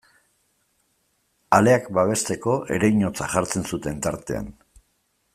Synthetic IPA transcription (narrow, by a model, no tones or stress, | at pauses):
ale̞akbaβ̞e̞st̪e̞ko̞ʔe̞̰ɾejɲo̞t͡saʝaɾt͡se̞nsut̪e̞nt̪aɾt̪e̞̰a̰n